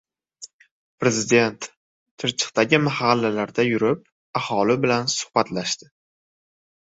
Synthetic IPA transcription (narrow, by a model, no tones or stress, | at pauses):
pɾe̞zɪd̪e̞nt̪ːʰ | ɪɾt͡ʃʰɪ̥qt̪aɡʲɪmahalːalaɾd̪ajʊɾɪp̚ | ahɒlɪbɪlansʊ̥hbat̪laʃt̪ɪ